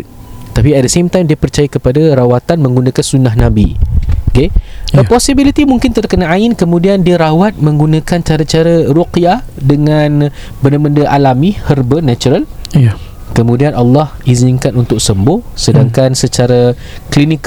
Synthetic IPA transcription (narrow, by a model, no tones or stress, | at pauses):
t̪apiat̪̚dəsemt̪ajmdiəpərt͡ʃajakəpadaɾawat̪anmə̃ŋɡunãkansunaɦnãbḭokeəpɔsibilit̪imuŋkɪnt̪ərkənaaɪnkəmũdiandiaɾawat̪̚mə̃ŋɡunãkant͡ʃaɾat͡ʃaɾarukiadəŋan | bəndabəndəʔalamihərbənat͡ʃuɾal | kəmũdianʔalːɑhizɪŋkanunt̪ʊk̚səmbʊhsədaŋkansət͡ʃaɾa | klinik